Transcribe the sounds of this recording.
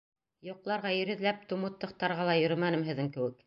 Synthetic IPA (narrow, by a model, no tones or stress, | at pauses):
jŏqlˠɑɾʁɑjɵ̆ɾɘ̆ðlæp̚t̪umut̪ːɤ̆qt̪ɑɾʁɑlˠɑjɵ̆ɾɘmænɘmɦɘ̆ðɘŋkɘ̆wɘk